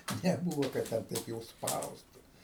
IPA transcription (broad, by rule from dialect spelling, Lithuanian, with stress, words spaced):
nʲɛˈbuːʋoː kɐt ˈtʲɛn ˈtɐɪp jɛʊ ˈspɐʊstʊ